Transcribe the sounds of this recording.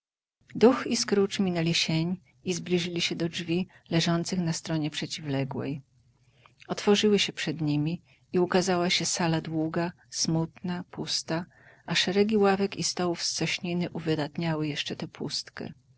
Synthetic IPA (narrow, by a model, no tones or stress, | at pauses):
d̪uxiskɾut͡ʂmʲinɛlʲiɕeɲ | izblʲiʐɘlʲiɕɛd̪ɔd͡ʐvʲi | lɛʐɔnt̪sɘxnast̪ɾɔɲɛpʂɛt͡ɕivlɛɡwɛ̰j | ɔt̪fɔʐɘwɘɕɛpʂɛd̪ɲimʲi | iukazawaɕɛsalad̪wuɡa | smut̪napust̪a | ʔaʂɛɾɛɡʲiwavɛkist̪ɔwufssɔɕɲinɘʔuvɘd̪at̪ɲawɘjɛʂt͡ʂɛt̪ɛpʰṵst̪kɛ̰